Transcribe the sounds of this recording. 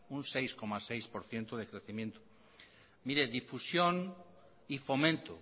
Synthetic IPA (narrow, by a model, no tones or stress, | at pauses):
uŋsejskomasejspoɾθjent̪oðekɾeθimẽnt̪ʊ̥ | miɾeðifusjoŋ | ifomẽnt̪o̰